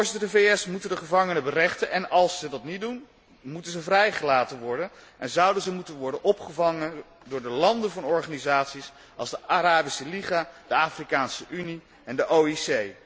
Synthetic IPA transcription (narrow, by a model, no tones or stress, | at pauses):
ʊːɹzɪtəɹdəvejɛsmutəndəχəvɑŋənəbərɛχtənʔɛnɑlˠsːədɑtnit̚dun | mutənzəvrɛjχəlaːtənʋɔɹdənʔɛnzʌwdənzəmutənʋɔɹdənʔɔpχəvɑŋə | dʊːɹdəlɑndəvɑnɔɹχaːnizaːtsis | ʔɑlˠzdəaɾaːbisəliχad̥əaːfrikaːnsəʔyni | ɛndəʔoːisej